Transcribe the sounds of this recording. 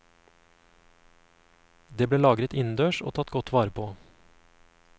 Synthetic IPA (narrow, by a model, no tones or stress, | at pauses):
d̪eːbleːlɑːɡɾət̪ɪnd̪øːʃo̰ːt̪ʰɑt̪ɡɔt̪ʰʋɑːɾəpʰoː